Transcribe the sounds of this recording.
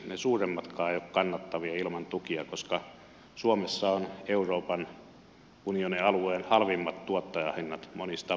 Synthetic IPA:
nesuːremːɑt̪kɑːeˑjokkɑnːɑt̪ːɑʋiɑilmɑnt̪ukiɑkoskɑ | suomesːɑoneuroːpɑn | unioniɑlueːnhɑlʋimːɑt̪t̪uot̪ːɑjɑhinːɑt̪monist̪ɑ

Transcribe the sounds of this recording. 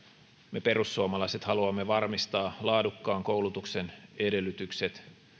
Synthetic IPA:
me̞pe̞ɾusːuomɑlɑjse̞t̪hɑluɑmːe̞ʋɑrmist̪ɑːlɑːdukːɑːŋko̞wlut̪ukse̞ne̞de̞lːˑyt̪ykset̪

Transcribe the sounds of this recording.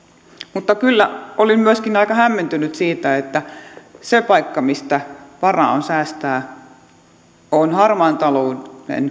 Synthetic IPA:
mut̪ːɑkylːæolimmyøskinɑikɑhæmːent̪ynyt̪siːt̪æet̪ːæsepɑikːɑmist̪æʋɑrɑ̰ˑonsæːst̪æː | onhɑrmɑnt̪ɑloːnḛn

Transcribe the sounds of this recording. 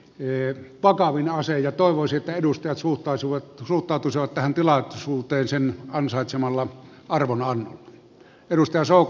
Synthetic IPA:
ʋɑkɑʋinɑsejjɑt̪oˑeʋosiet̪ːæedust̪ɑjɑt̪suht̪ˑɑˑsiʋɑsuht̪ˑɑˑut̪usiʋɑt̪t̪æhænt̪ilɑsuːt̪ˑeːnsenɑnsɑˑet̪semɑlːɑ | ɑrʋonɑnːo̰lːɑ̥ | eɾust̪ɑjɑsoˑuk

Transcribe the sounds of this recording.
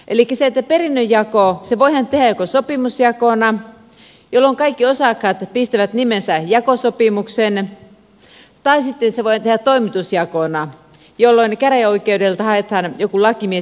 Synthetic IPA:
ʔelikːæseet̪ːæperinːøjjɑkoseʋoihænt̪ehæjokosopimusjɑkonɑ | jolːoŋkɑikːiosɑkhɑt̪pist̪æʋæt̪nimensæjɑkosopimuksen | t̪ɑisit̪ːenseʋoihnt̪ehætt̪oimit̪usjɑkonɑ | jolːoinkæræoikeudelt̪ɑhɑet̪hɑːnjokulɑkimie

